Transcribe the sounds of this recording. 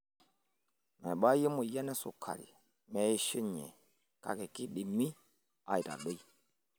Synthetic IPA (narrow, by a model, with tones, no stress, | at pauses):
mɛ˨ɓa˦ji˦mu˨jɛ˦nɛ˦sṵ˨kʰa̰˨lḭ˨ | mɛ˨˦i˦ʃi˦ɲɛ̰˨ | ka̰˨ke˨ki˦ɗi˨mi˦ | a̰˨i˨ta̰˨ɗo˦i˦